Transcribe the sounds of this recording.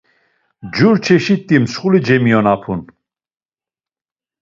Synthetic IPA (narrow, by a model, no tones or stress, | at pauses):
d͡ʒuɾt͡ʃʰɛʃit̪ʼːimsχulid͡ʒɛmijɔnapʰun